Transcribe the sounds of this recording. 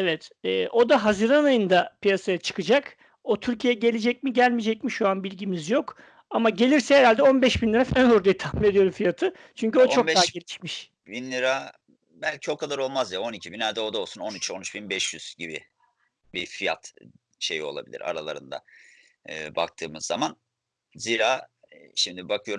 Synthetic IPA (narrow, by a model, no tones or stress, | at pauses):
evɛt̪ɛːʔo̞d̪aɦaziɾanajɯnd̪apijasajat͡ʃʰɯ̥kɯd͡ʒak | ot̪ʰyɾcʰijɛɟe̞lʲed͡ʒɛc̚miɟælʲmid͡ʒɛcmiʃoanbilʲɟimizjo̞k | amaɟe̞lʲiɾsɛeɾalʲd̪ɛo̞nbɛʃbinlʲiɾafænuɾd̪ajt̪ʰahmime̞d̪ijo̞ɾumfijat̪ʰɯ | t͡ʃʰyɲcyot͡ʃo̞kɛaɦɟe̞lʲiʃmiʃ | binlʲiɾa | bælʲcʰio̞kʰad̪aɾo̞lˠmazjao̞nicʰibinæɾd̪ɛo̞d̪ao̞lˠsuno̞nyt͡ʃʰo̞nyt͡ʃbinbɛʃjyz̥ɟibḭ | bifija̰t̪ | ʃe̞jio̞lˠa̰bilʲḭɾa̰ɾalˠa̰ɾɯnd̪a̰ː | ba̰k̚t̪ʰɯːmɯzːa̰man | ziːɾaːʃimd̪ibakʰɯjo̞ɾ